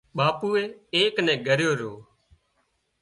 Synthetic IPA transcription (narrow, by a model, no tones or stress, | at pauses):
ɓaːpuːeːeːknɛ̃ːɡʱəɾjoːɾoː